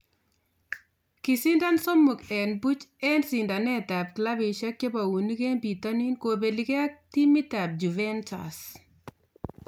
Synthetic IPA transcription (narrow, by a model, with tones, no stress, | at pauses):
ki˨si˦nda˦nso˦mu˨kɛ˨nbu˦t͡ʃɛ˦nsi˨nda˨nɛ˦ta˨p̚kla˦bɪ˨ʃa˦kje˦pa˨wu˨ni˦ke˦npi˨ta˦ni˦nko˨be˨li˨ke˦a˦k̚ti˦mi˦ta˨b̚d͡ʒu˨vɛ˦nta̰˨s